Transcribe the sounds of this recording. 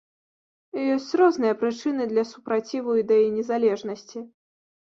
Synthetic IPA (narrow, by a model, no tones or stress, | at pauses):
jɔsʲt͡sʲɾɔznɨjɐpɾɨt͡ʂɨnɨd̪lʲɐsupɾat͡sʲivuid̪ɐjijnʲɛzalʲɛʐnɐsʲt͡sʲi